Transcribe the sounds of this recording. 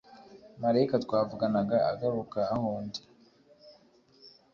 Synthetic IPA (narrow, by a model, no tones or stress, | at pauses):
maɾaikatwaːvuɡanaɡaa̰ɡaɾukaːhoːndi